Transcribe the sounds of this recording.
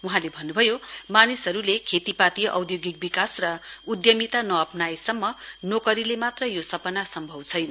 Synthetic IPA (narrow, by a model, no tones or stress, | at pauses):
wuɦãlebʱʌnːubʱʌjomanisʌɾulekʰet̪ipat̪ijʔʌ̰wd̪joɡik̚bikasrʌud̪jʌmit̪anʌʌpnajsʌmːʌnokʌɾilemat̪rʌjosʌpʌnasʌmbʱʌwt͡sʰʌjnʌ